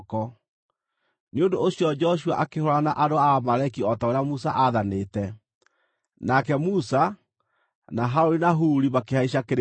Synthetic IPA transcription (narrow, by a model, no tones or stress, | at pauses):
kɔ | neondoːsjɔd͡ʒɔʃ̬ua̰ʔakehɔɾanaʔadoamaɾakiɔtaoɾeamusaʔaðaneːtɛ | nakɛmusa | naɦaoɾenaɦuːɾiβakehaiɕ̬akeɾ